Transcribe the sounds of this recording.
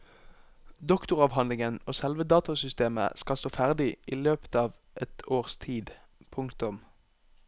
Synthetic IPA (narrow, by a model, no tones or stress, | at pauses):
d̪ɔkt̪ʊʁɑːʋɦɑnlɪŋənoːsɛlʋəd̪ɑːt̪ɑsʏst̪eːmə̰skɑlst̪oːfæʁd̪ɪʔiːløːpə̥t̪ɑːʋ | ʔɛt̪ʰoːʁst̪ʰiːd̪ | pʰʊŋkt̪ʊm